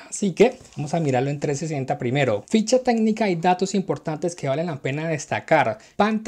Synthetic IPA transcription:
asike̞ | amo̞samiɾaɾloe̞nt̪ɾe̞sesent̪apɾime̞ɾo̞fit͡ʃat̪e̞ɡnikaid̪at̪o̞simpo̞ɾt̪ant̪e̞ske̞βale̞nlape̞naðe̞st̪akaɾpant̪

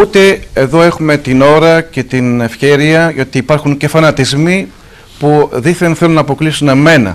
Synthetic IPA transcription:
ut̪e̞eðo̞e̞xume̞t̪ino̞ɾɐce̞t̪ine̞fçe̞ɾiɐʝot̪iːpɐɾxuɲce̞fɐnɐt̪izmi | puðiθenθelunɐːpo̞klisune̞me̞nɐ̰

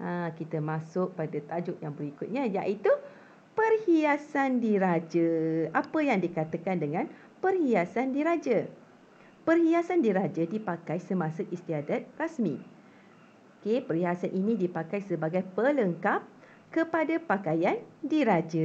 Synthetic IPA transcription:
ʔakit̪əmãsʊk̚padat̪ad͡ʒʊk̚jaŋbəɾikʊt̪̚ɲãjaʔit̪u | pərhiasandiɾad͡ʒəapəjaŋdikat̪əkandəŋãn | pərhiasandiɾad͡ʒa | pərhiasandiɾad͡ʒadipakajsəmãsəʔist̪iadat̪̚rasmḭ̃ | okepərhiasanʔinĩdipakajsəbaɡajpələŋkap̚ | kəpadapakajandiɾad͡ʒə

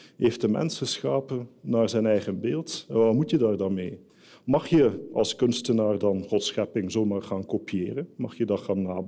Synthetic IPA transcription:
ɦejftdəmɛ̰nsəsχaːpənaːɹzɛjnɛjχənbeːlˠtʋaːmutjədaːrdaːnmej | mɑχjəɑ̰lˠskɵnstənaːrdɑnχɔtsχɛpɪŋzoːmaːrχaːnkopijɪːrənmɑχjədɑχaːnːaːb

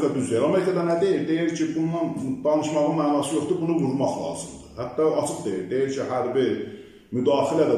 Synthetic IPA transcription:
kʰɑd̪yzlijeɾɑmeɾikʰɑd̪ænæd̪e̞jiɾd̪e̞jiɾcʰibunːɑnd̪ɑnɯʃmɑʁɯnmæːnɑsɯjo̞χt̪ubunuɡuɾmɑχlˠɑ̰ːzɯmd̪ɯhæt̪ːɑɑt͡ʃʰɯχd̪e̞jiɾd̪e̞jiɾcʰiɦæɾbi | myd̪ɑːxilæd̪æ

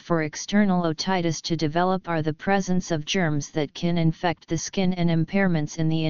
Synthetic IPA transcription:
fə˞ɨkstʰɜ˞nl̩ˠoʊtʰaɪɾɨstʰɨdɨvɛlˠəpə˞ðɨpʰɹ̥ɛzɨ̃nsʌvd͡ʒɜ̃˞mzðɨt̚kʰɨ̃nɨ̃ɱfɛk̚t̪̚ðɨskɪ̃nɨ̃nɨ̃mpʰɛɹmɨ̃ntsɨ̃nðiɪ̃

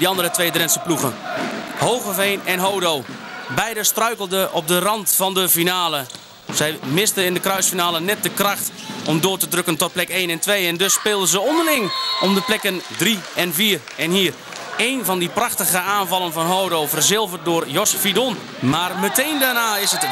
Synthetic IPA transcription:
diɑndəɾətʋeːdrɛnsəpluɣənhowɣəveːnɛnɦowdoːbɛjdəstrœɥkəlˠdəʔɔp̚dərɑntfɑndəfinaːlə | sɛjmɪstənɪndəkrœɥsfinaːlənɛt̚dəkrɑxt | ʔɔmdʊːrtədrøkəntɔt̚plɛkeːnɛntʋejɛndɵsːpɪːlˠdəzəɔndərlɪŋɔmdəplɛkəndriɛnviːr | ɛnhiːr | ejnvɑndiprɑxtəɣəaːnvɑlˠənvɔnɦowdoːvərzɪlˠvət̚dʊːrjɔsfidon | maːrmətejndarnaːɪsət

